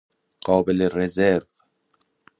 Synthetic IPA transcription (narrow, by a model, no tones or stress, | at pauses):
qɒːbelerezeɾv